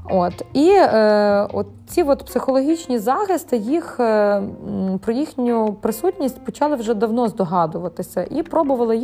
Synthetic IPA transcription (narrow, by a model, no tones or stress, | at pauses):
ot̪i | ɔt̪t͡sʲiʋɔt̪psɪxɔlˠɔɦʲit͡ʃnʲizɑxɪst̪ɪjix | pɾɔjixnʲʊpɾɪsutʲnʲisʲtʲpɔt͡ʃɑlˠɪwʒɛd̪ɐwnɔzd̪ɔɦɑd̪ʊʋɐt̪ɪsʲɐʔipɾɔbʊʋɐlˠɪj